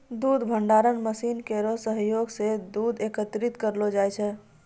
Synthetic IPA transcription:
d̪ud̪bʱəɳɖaɾənməsinkeɾosəɦjoɡsed̪ud̪ekət̪ɾit̪kəɾlod͡ʒajt͡ʃʰɛ

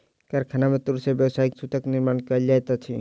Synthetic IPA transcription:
kaɾkʰanamẽt̪uɾsebjəwsaːiksut̪əkniɾmaːnkəld͡ʒajt̪at͡ʃʰi

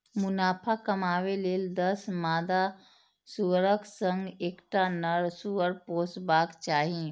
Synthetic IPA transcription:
mʊnaːpʰakəmaːweleːld̪əsmaːd̪a | suɾəksə̃ŋɡeːkʈanəɾsuəɾpoːsbaːkt͡ʃaːɦi

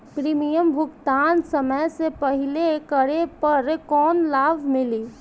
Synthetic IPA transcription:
pɾiːmijəmbʱʊɡt̪aːnsəməjsepəɦɪlekəɾepɐɾkɔːnlaːbʱmɪliː

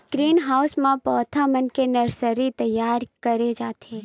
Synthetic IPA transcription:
ɡ̥ɾiːnɦaːwsmãpɔːt̪ʰamənkenəɾsəɾit̪əjːaːɾkəɾed͡ʒaːt̪ʰe

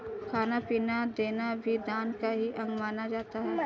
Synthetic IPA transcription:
kʰaːnapiːnad̪eːnabʱid̪ãːnkaɦiʔɐ̃ŋɡmaːnad͡ʒaːt̪aɦɛː

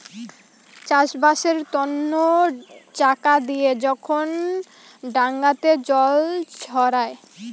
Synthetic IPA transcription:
t͡ɕaʃbaʃeɾt̪ɔnːot͡ɕakad̪ijed͡ʑɔkʰon | ɖaŋɡat̪ed͡ʑɔlt͡ɕʰɔɾae

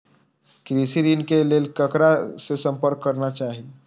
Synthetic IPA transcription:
kɾisiɾinkelelkəkɾasesəmpəɾkːəɾnat͡ʃaɦi

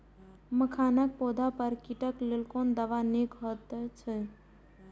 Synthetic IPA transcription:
məkʰaːnək̚poːd̪ʱapəɾkiʈəklelkoːnd̪əʋanekɦɔt̪ət͡ʃʰə

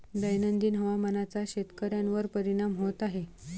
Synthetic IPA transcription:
d̪əjnənd̪iːnɦəʋamanat͡saɕet̪kəɾjanʋəɾpəɾiɽ̃amɦot̪aɦe

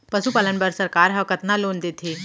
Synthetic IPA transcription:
pɐʃupaːlənpəɾsɐɾkaːɾɦə̃kət̪naloːnd̪eːt̪ʰeː

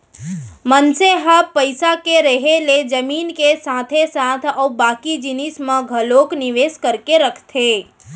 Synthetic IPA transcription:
mənseɦapəɪsakeɾəɦeled͡ʒəmiːnkesaːt̪ʰesaːt̪ʰɔːbaːkid͡ʒɪnɪsmãɡʱəloːknɪʋeːskəɾkeɾəkʰt̪ʰeː

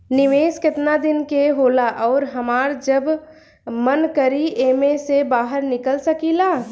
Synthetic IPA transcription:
nɪʋeːskɪt̪nad̪ɪnkeɦoːlaʔɔːɾɦəmaːɾd͡ʒəb | mənkəɾieːmesebaːɦəɾnɪkəlsəkilaː

